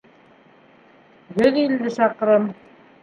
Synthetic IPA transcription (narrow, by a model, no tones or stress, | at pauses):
ɡɵðild̪ɘʃɑqɾɤm